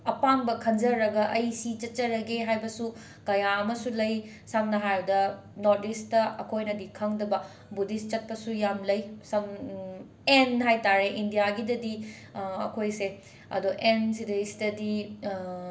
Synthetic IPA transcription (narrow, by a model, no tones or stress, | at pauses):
ɐpaŋbɐkʰɐnd͡ʒɐɾːɐɡɐʔɐjsit͡ʃɐt̚t͡ʃɐɾɐɡeɦajbɐsu | kɐjaɐmɐsulɐj | samnɐɦajudɐ | noɾdistɐɐkʰojnɐdikʰɐŋdɐbɐ | budist͡ʃɐt̚pɐsujamlɐjsɐm | enɦajtaɾeʔindijaɡidɐdi | ɐ̰kʰojse | ɐ̰doʔensidesdɐdi